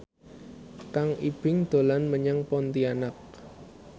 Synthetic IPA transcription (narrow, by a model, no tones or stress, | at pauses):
kaŋib̥ɪŋd̪̥o̤lanməɲəŋpɔnt̪ianak̚